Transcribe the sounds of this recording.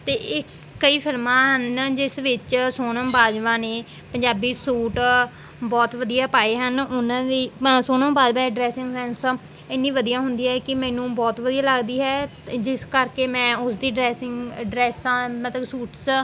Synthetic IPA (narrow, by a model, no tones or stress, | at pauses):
t̪eːʔɪkː | əiːpʰɪlmãːɦənd͡ʒɪsʋɪt͡ʃsoːnəmbaːd͡ʒʋãːneː | pəɲd͡ʒaːbiːsuːʈ | bɔːt̪ʋəd̪ijaːpaːeːɦənʊnãːd̪iːsoːnəmbaːd͡ʒʋãːeɖɾɛːsɪ̃ŋɡsɛ̃ːns | ɪnːĩːʋəd̪ijãːɦʊ̃nd̪iːɦɛːkɪmɛ̃ːnũːbɔːt̪ʋəd̪iːaːləɡd̪iːɦɛː | d͡ʒɪskəɾkeːmɛ̃ːʊsd̪iːɖɾɛːsɪŋɡɖɾɛːsãːmət̪ləbsuːʈs